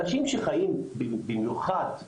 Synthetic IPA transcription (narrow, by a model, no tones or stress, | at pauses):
aʃimʃeχajimbibimjuχad̪